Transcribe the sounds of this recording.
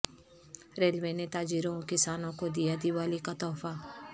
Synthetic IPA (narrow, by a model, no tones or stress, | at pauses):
ɾeːlʋenet̪aːd͡ʒiːɾõkɪsaːnõkod̪ijad̪iʋaːlikat̪ɔːfa